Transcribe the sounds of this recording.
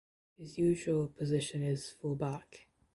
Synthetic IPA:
hɪzjʉːʒəlˠpʰəzɪʃə̃nɪz̥fʊlˠbak

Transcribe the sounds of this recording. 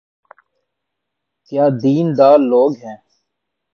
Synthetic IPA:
kjaːd̪iːnd̪aːɾlːoːɡɦɛ̃ː

